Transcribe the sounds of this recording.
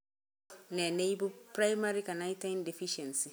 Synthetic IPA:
nɛ̃˨nẽ˦i˦bʊ˦pɾa˦jma˦ɾi˦ka˨nã˦i˦tʰã˦nde˨fi˦ʃɛ̃˨nsi˨

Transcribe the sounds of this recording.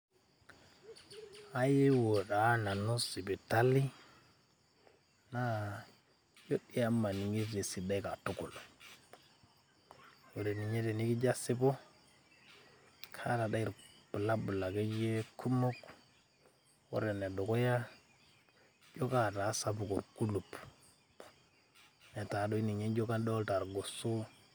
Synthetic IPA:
a˦je˦wo˨ɗa˨˦na˨no˦si˨bi˨ta˦li˦ | na˦ | jo˦ɗi˦ja˦ma˨ni˨ŋi˦ze˨si˨da˦i˦ka˨tu˦ku˨lo˨ | wo˨ɾe˨ni˨ɲe˦de˨ni˦ki˦d͡ʒa˦si˦bo˦ | kʰa˦ta˨da˦i˨ɾpu˨la˦bu˨la˨ke˦d͡ʒe˦kʰu˦mo˦k | wo̰˦ɾe˨ne˨do˨ko˦ja˦ | d͡ʒo˦ka˦˨ta˨˦sa˦pu˨ku˨ɾku˦lu˨p | ne˨ta˨do˦i˦ni˨ɲe˦d͡ʒo˦ka˦do˦lta˨ɾɡo˨su˦

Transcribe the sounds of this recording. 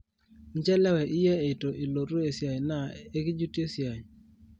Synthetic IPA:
n˦t͡ʃɛ˦lɛ˦wɛ˨ʔɪ˦jɛ˦e˨to˨ʔe˨lo˨ɾo˦e˨sja˨jna˦˨e˦kɪ˦d͡ʒu˦ti˦e˦sja˨j

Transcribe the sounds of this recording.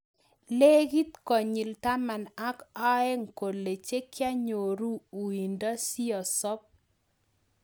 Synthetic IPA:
le˦ɡi˦t̪kɔ˨ɲi˨lta˦ma˨na˦ka˦ɛ˦ŋ˨ko˨lːe˨t͡ʃe˦kja˦ɲo˨ɾu˦u˨i˨ndɔ˦si˦ɔ˨sɔ˦p̚

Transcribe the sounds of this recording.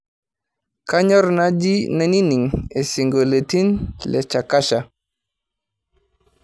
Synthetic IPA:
ka˦ɲɔ˦ɾna˦d͡ʒi˦na˦ni˦ni˨ŋe˨si˨ŋɡo˨le˨ti˦nlɛ˨t͡ʃa˨ka˦ʃa

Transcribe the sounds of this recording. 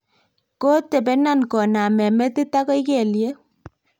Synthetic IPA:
ko˦te˨pe˨˦na˦˨nkɔ˨na˨mɛ˨mɛ˦ti˦ta˦kɔ˦i˦ke˨lje˦

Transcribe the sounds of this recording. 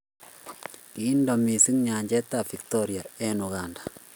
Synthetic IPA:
kindɔ˨mi˨si˦ŋɲa˨ɲd͡ʒɛ˦ta˨fi˨k̚tɔɾjaɛnuɡandḁ

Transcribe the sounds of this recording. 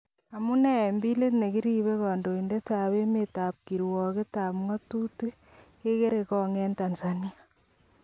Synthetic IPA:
a˨mu˦nɛ˨mbi˦le˦tne˨ki˦ɾiβe˦kɔː˨ndo˨inde˦ta˨βe˦meta˨p̚ki˨ɾwɔ˨ke˦ta˨pŋɔ˦tu˦tu | ke˦ke˦ɾekɔŋɛ˦ntansania

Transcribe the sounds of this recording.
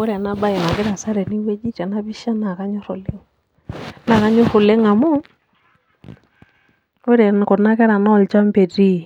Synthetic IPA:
ʊ˦ɾɛ˨na˦ba˦ɛ˨ma˨kɪ˦ɾa˨sa˦ɾɛ˨ni˦we˦d͡ʒi˦t͡ʃa˨na˦bi˦ʃa˦na˨ka˦ɲʊ˦ɾʊ˨lɪ˦ŋ | na˨ka˦ɲʊ˦ɾʊ˨le˦ŋa˨mʊ˦ | ʊ˦ɾɛ˨n˨kɔ˨na˦kɛ˦ɾa˨na˦ɔ˨lt͡ʃa˦mpe˨ti˦

